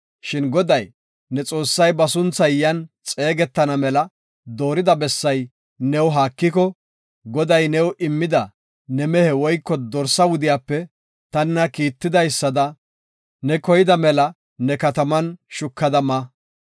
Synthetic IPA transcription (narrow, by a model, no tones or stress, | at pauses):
ʃɪnɡɔd̪ɐj | nɛt͡sʼo̞ːsːɐjbɐsʊnt͡sːɐjjɐnt͡sʼe̞ːɡɛt̪ːɐnɐmɛlɐ | d̪o̞ːɾɪd̪ɐbɛsːɐj | nɛwɦaːkːɪkɔ | ɡɔd̪ɐjnɛwʔɪmːɪd̪ɐ | nɛmɛhɛwɔjkːɔd̪ɔɾsɐwʊd̪ɪjaːpːɛ | t̪ɐnːɐkiːt̪ːɪd̪ɐjsːɐd̪ɐ | nɛkɔjɪd̪ɐmɛlɐ | nɛkɐt̪ɐmɐnʃʊkːɐd̪ɐmɐ